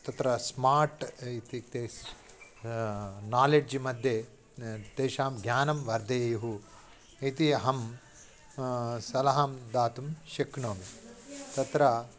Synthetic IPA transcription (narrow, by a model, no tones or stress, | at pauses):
t̪ɐt̪ɾɐsmaːɾʈit̪it̪e | naːled͡ʒmɐd̪ʱje | d̪eːʃaːmɡjaːnɐmʋɐɾd̪ʱeːjuɦu | it̪iɦɐm | sɐlɐɦamd̪aːt̪umʃekɳoːmit̪ɐt̪ɾɐ